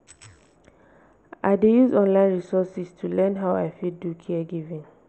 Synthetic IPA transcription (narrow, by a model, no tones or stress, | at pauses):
a̰ɪdejuzɔ̃nlãɪ̃nɹisɔsistʰulɛ̃nɦaʊaɪfidukʰiɛɡivĩn